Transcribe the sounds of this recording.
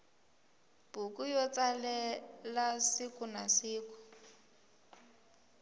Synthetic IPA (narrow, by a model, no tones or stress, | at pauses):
b̥ukʼujɔt͡salɛlasikʼunasiːkʊ̥